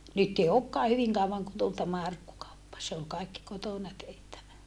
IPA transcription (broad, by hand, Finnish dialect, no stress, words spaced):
nyt ei okːɑː hyʋiŋ kɑuʋɑŋ kun tul tæmæ ɑrkːukɑupːɑ se ol kɑikːi kotoˑnɑ tehtæʋæ